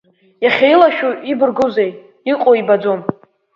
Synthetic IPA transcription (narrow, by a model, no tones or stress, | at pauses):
jaχʲajlaʃᶣuibɨrɡozej | iqʼoibad͡zom